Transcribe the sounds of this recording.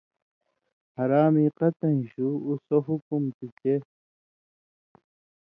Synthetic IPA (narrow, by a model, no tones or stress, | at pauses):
hɐɾaːmiːqɐt̪ɐ̃nɕuːsoɦukumt̪it͡ɕe